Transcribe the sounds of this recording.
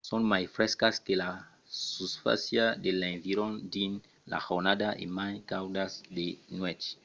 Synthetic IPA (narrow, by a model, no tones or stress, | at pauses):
sõnmajfɾeskaskela | susfa̰sjad̪elẽɱviɾõnd̪in | la̰xoɾnad̪aʔḛmajkawd̪asd̪enwet͡ʃ